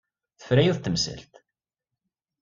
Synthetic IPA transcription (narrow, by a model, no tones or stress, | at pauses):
θə̥fɾæjuðt̪ːəmsə̰lt̪